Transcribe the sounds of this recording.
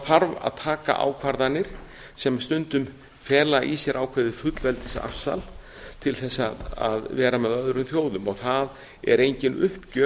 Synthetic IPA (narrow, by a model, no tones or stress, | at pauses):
θaɾva̰ðt̪ʰaːka̰ʔa̰ːwkʰvaɾðanːɪɾ̥ | sɛmst̪ʏnt̪ʏm | fɛːlaʔisjɛɾʔaːwkʰvɛðɪfʏt̪lvɛlt̪ɪ̥sa̰fsa̰l | t̪ʰɪlθɛsːaða̰ðvɛːɾamɛðœðɾʏmθjoːwðʏmɔɣθað | ɛ̰ɾejɲcɪnʏhpcœː